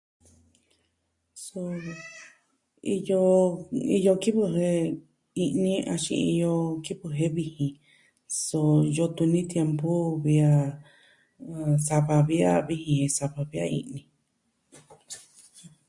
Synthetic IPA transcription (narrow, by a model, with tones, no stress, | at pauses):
so˧ | i˧jo˧i˧jo˧ki˦βɨ˧ɦe˧ | i˧ʔnĩ˦a˧ʃḭ̃˧i˧jo˧ki˦βɨ˧ɦe˦βi˧hĩ˧ | so˧jo˧t̪u˧nĩ˦t̪je˧mpu˦βi˧a˧ | sa˧βa˧βi˧˦a̰˦βi˧hĩ˧hẽ˧sa˧βa˧βi˧a̰˦˧ḭ̃˧ʔnĩ˧